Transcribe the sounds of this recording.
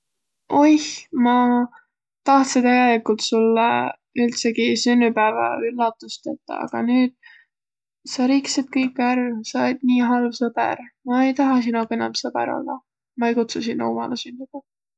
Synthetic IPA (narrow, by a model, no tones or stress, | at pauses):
o̞jhmɑ | t̪ɑht̪set̪æɡelikult̪sulːɑ | ylt̪seɡisynːypæːvɑ̰ylːɑt̪ːˑust̪et̪ːˑɑ̰ɑ̰ɡ̥ɑnyːd̪̥̚ | sɑɾiksid̪̥̚kɤjkːˑæɾsɑd̪̥niːɦɑlvsɤbæ̰ɾmɑe̞jt̪ɑɦɑs̬inokenɑmsɤbæ̰ɾo̰lːɑ̰ | mɑejkut̪susinːo̰umɑ̰lɑsynːyb̥æv